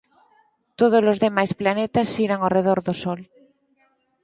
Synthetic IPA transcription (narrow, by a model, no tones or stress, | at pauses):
t̪oð̞ozlozðemajsplanet̪asːiɾaŋareð̞oɾðosol